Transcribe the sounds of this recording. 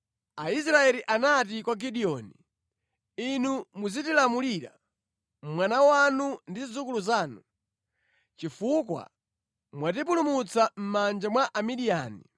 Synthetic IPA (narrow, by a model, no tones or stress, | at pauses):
ais̬ɾaɛliʔanat̬ikwaɡiɗiɔːni | inumuzitilamuliɾa̰ | mwanawanundizizukuluzaːnu | t͡ʃifukwa̰ | mwat̬ip̬ulumut͡sam̩mand͡ʒamwaʔamiɗiaːnḭ